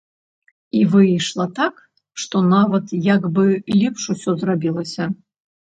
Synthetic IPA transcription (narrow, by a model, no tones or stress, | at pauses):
ivɨjʂlˠɐt̪ak | ʂt̪ɔnavɐt̪jaɡbɨlʲɛpʂusʲɔzrabʲilˠɐsʲɐ